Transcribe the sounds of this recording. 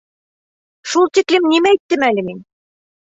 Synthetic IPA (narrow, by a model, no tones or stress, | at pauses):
ʃulˠt̪iklɘmnimæjt̪ːɘmælɘmin